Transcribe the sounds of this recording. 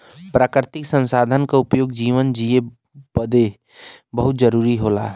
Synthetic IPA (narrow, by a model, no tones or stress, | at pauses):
pɾaːkɾɪt̪ɪksə̃nsaːd̪ʱənkaʊpjoːɡd͡ʒiːʋənd͡ʒie | bəd̪e | bəɦʊt̪̚d͡ʒəɾuːɾiɦoːla̰ː